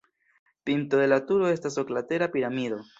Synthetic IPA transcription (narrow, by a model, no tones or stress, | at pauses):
pinto̞de̞latuɾo̞e̞stasoklate̞ɾapiɾamido̞